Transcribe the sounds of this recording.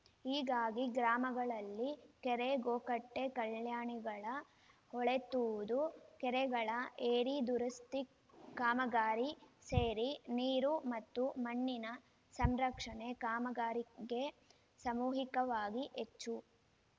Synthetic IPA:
iːɡaːɡiɡɾaːmɐɡɐɭɐlːikɛɾeɡoːkɐʈːekɐljaːɳiɡɐɭɐ | hɔɭet̪ːuʋud̪ukɛɾɛɡɐɭɐʔeːɾid̪uɾɐst̪i | kaːmɐɡaːɾiseːɾiniːɾumɐt̪ːumɐɳːinɐ | sɐmɾɐkʂɐɳekaːmɐɡaːɾiɡe̞ | sɐmuːɦikɐʋaːɡiʔet͡ʃːu

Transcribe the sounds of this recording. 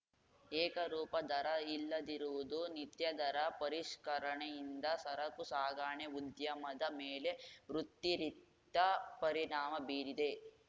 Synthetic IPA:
ɛːkɐɾuːpɐd̪ɐɾɐilːɐd̪iɾuʋud̪unit̪jɐd̪ɐɾɐpɐɾiʂkɐɾɐɳejind̪ɐsɐɾɐkusaːɡaːɳeud̪jɐmɐd̪ɐmeːleʋɾut̪ːiɾit̪ːɐpɐɾiɳaːmɐbiːɾid̪e

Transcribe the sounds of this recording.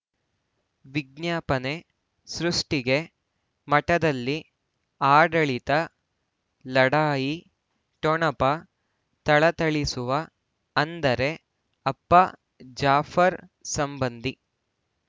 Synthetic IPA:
ʋiɡ̚njaːpɐne | sɾuʂʈiɡe̞ | mɐʈɐd̪ɐlːi | aːɖɐɭit̪ɐ | lɐɽaːji | ʈɔɳɐpɐ | t̪ɐɭɐt̪ɐɭisuʋɐ | ɐnd̪ɐɾe̞ | ɐpːɐ | d͡ʒaːfʰɐɾsɐmbɐnd̪i

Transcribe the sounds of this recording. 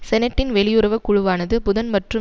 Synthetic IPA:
sɛnɐʈːɪnʋɛɭɪjɯɾɐʋɐkːʊɻʊʋaːnɐðɯpʊðɐnmɐʈrɯ

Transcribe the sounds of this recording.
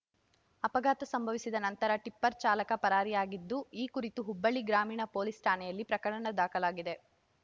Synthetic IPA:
ɐpɐɡaːt̪ɐsɐmbʱɐʋisid̪ɐnɐnt̪ɐɾɐʈipːɐɾt͡ʃaːlɐkɐpɐɾaːɾijaːɡid̪ːuiːkuɾit̪uɦubːɐɭiɡɾaːmiːɳɐpoːlisʈʰaːnɛjɐlːipɾɐkɐɽɐɳɐd̪aːkɐlaːɡid̪e̞

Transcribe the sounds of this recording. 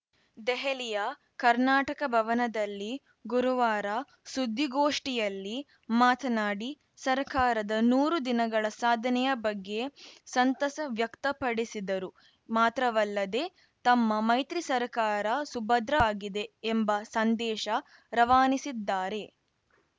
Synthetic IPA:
d̪ɛɦelijɐ | kɐɾnaːʈɐkɐbʱɐʋɐnɐd̪ɐlːi | ɡuɾuʋaːɾɐ | sud̪ʱːiɡoːʂʈijɐlːi | maːt̪ʰɐnaːɽi | sɐɾkaːɾɐd̪ɐnuːɾud̪inɐɡɐɭɐsaːd̪ʱɐnɛjɐbɐɡːe̞sɐnt̪ɐsɐʋjɐkt̪ɐpɐɽisid̪ɐɾu | maːt̪ɾɐʋɐlːɐd̪e | t̪ɐmːɐmɐjt̪ɾisɐɾkaːɾɐsubɐd̪ɾɐːɡid̪e̞ːmbɐsɐnd̪ɛːʃɐ | ɾɐʋaːnisid̪ːaːɾe̞

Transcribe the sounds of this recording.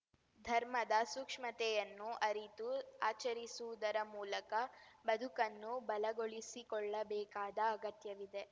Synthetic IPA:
d̪ʱɐɾmɐd̪ɐsukʂmɐt̪ɛjɐnːuʔɐɾit̪uaːt͡ʃɐɾisuʋud̪ɐɾɐmuːlɐkɐbɐd̪ʱukɐnːubɐlɐɡoɭisikɔɭːɐbɛːkaːd̪ɐːɡɐt̪jɐʋid̪e̞

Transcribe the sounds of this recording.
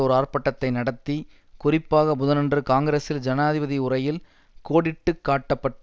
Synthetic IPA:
ɔɾɯaːrpɐʈːɐt̪ːɐɪnɐɽɐt̪ːi | kʊrɪpːaːɣɐbʊðɐnɛndrɯkaːŋɡɐɾeːsɪld͡ʒɐnaːðɪbɐðiʊrɐjɪl | koːɽɪʈːɯkːaːʈːɐpːɐʈː

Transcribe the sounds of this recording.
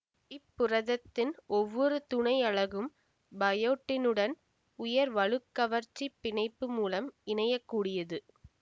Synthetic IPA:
ɪpːʊrɐðɐt̪ːɪnɔʋːɔɾɯt̪ʊɳɐɪjɐɭɐɣɯm | bɐjoːʈːɪnɯɽɐn | ʊjɐɾʋɐɻɯkːɐʋɐɾt͡ʃːipːɪɳɐɪpːɯmuːlɐmɪɳɐjɐkːuːɽɪjɐðɯ

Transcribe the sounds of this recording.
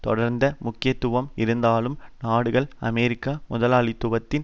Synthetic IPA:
t̪ɔɽɐɾnd̪ɐmʊkːɪjɐt̪ːʊʋɐmɪɾɯnd̪aːlɯmnaːɽɯɣɐɭɐmɛɾɪkːamʊðɐlaːɭɪt̪ːʊʋɐt̪ːɪn

